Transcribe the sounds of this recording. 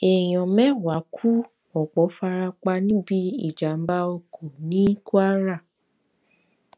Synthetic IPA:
ɛ˨j̃ɔ̃˨mɛ̃˦wa˨˦kʰu˦ | ɔ˨k͡pɔ˨˦fa˧ɾa˧k͡pa˧nĩ˦bi˦ḭ˦˨d͡ʒa˨m̩˦ba˦o˧kʰo˨nĩ˦ku˦a˦ɾa˦˨

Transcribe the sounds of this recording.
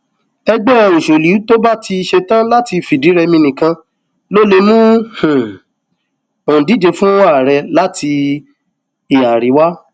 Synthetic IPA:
ɛ˧ɡ͡bɛ˦˨o˨ʃo˨li˨˦to˦ba˦ti˧ʃe˧tã˦la˦ti˧fi˨di˨˦ɾɛ˧mĩ˧nĩ˨kã˧ | lo˦le˧mũ˦h̩˨ | o˨ũ˨di˨˦d͡ʒe˧fũ˦wa˦˨ɾɛ˧la˦tʰi˧ | i˨a˨ɾi˨˦wa˦

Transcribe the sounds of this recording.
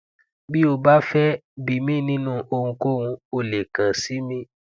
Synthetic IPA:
bi˦o˧ba˦fɛ˦bi˨mĩː˦˨˦nĩ˦nũ˦˨ʔo˧ŋũ˧ko˦ŋũ˧o˧le˨kã˨si˨˦mĩ˦

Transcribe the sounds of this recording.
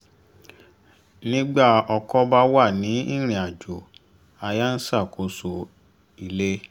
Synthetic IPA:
nĩ˦ɡ͡ba˦˨ɔ˧kɔ˦ba˦wa˦˨nĩ˨˦i˦ɾ̃ĩ˨a˨d͡ʒo˨ | a˧ja˦n̩˦sa˦˨kʰo˧so˧ | i˨le˦

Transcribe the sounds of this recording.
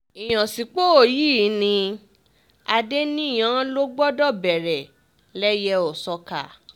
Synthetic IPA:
i˨j̃ã˨si˨k͡po˦o˦˨jiː˦˨˦nĩ˧ | a˧de˦nĩ˦˨j̃ã˨˦lo˦ɡ͡bɔ˦dɔ˦˨bɛ˨ɾɛ˨ | lɛ˦jɛ˧ɔ˨sɔ˧ka̰˨

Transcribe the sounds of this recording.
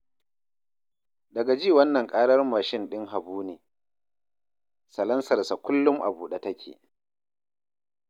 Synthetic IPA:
dɐ˨ɡa˨d͡ʒiː˦˨wɐ˦nːɐ˨ŋkʼaː˦ɽɐ˦rmaː˨ʃɪ˦nɗɪ˦ŋɦa˨buː˦neː˨ | sɐ˨lɐ˦nsɐ˨rsa˨kʷʊ˦lːʊ˦mʔa̰˨buː˨ɗa˨tɐ˦kʲʰḛ˨

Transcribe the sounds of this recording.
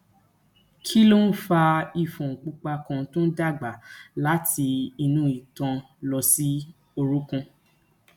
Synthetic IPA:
kʰi˦lo˦n̩˦fa˧i˧˨fɔ̃˨ŋ̩˨k͡pu˦k͡pa˧kã˧˦tõ˦n̩˦da˦˨ɡ͡ba˨la˨˦tʰi˧i˧nũ˦i˨tã˧ | lɔ˧si˦ | o˧ɾu˦kã˧

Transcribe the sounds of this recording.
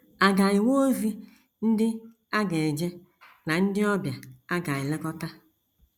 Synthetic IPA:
a˨ɡa˨ji˨wo˦o˦vi˦ | n̩˦dɪ˦ | a˦ɡe˨d͡ʒe˦ | na˨n̩˦dɪ˦ɔ˦bja˨a˦ɡa˨ɪ˨le˦kɔ˦ta˦

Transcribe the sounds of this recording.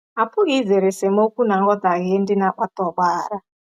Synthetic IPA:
ɦa˨pʰu˦ɣi˦d͡zɛ˨ɾɛ˨sɛ˨mo˦ku˦na˨ŋɡɔ˦d̪a˨ɦe˦ndi˦na˦kwa˦t̪ɔ˨ɓaː˨ɾa˦

